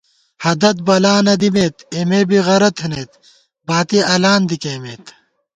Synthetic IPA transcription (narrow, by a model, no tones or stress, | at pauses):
hɐd̪ɐt̪̚bɐlaːnɐd̪imeːt̪emeːbiɣɐɾɐt̪ʰhineːt̪ | baːt̪iɐlaːnd̪ikeːmeːt̪